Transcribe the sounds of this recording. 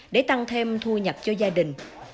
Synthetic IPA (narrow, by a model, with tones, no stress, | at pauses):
ɗe˧˩˦t̪a˧ŋt̪ʰe˧mt̪ʰu˧ɲə˨˩p̚t͡ɕɔ˧zaː˧ɗï˨˩ŋ̟